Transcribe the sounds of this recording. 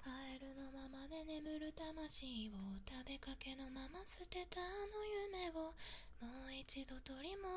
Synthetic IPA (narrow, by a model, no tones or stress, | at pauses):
kʰaeɾɯ̟no̞mamad̪e̞ne̞mɯ̟ɾɯ̟t̪amaɕiːβot̪abe̞kake̞no̞mamasɨt̪e̞t̪aːno̞jɯme̞βo | moːit͡ɕid̪o̞t̪o̞ɾʲimo